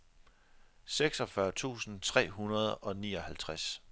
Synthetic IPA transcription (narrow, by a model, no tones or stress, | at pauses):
seɡ̥sɒ̽fɶɐt͡sʰṵːsn̩t͡sʰʁɛ̰ːɦunɐð̞̩ˠɒ̽nḭːɒ̽hælt͡sʰʁas